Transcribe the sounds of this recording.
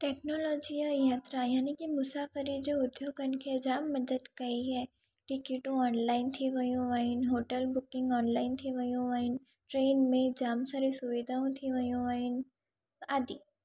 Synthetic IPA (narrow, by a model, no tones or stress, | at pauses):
ʈɛːknɔːlɔːd͡ʒiəjaːt̪ɾajaːnikimʊsaːfəɾid͡ʒoːʊd̪joːɡənkʰed͡ʒaːmːɐd̪əd̪kɐiɦɛ | ʈɪkiʈõɔːnlaːɪnt̪ʰiʋɐjõʋaːɪnɦoːʈəlbʊkɪ̃ŋɡɔːnlaːɪnt̪ʰiʋɐjõʋaːɪn | ʈɾeːnmẽd͡ʒaːmsaɾisʊʋid̪ʱaːõt̪ʰiʋɐjõʋaːin | aːd̪iː